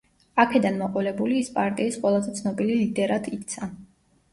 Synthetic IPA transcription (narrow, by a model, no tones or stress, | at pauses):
akʰɛd̪anmɔqʼɔlɛbuliːspʼaɾt̪ʼiːsqʼwɛlˠazɛt̪sʰnɔbililid̪ɛɾat̪ʰikt̪sʰa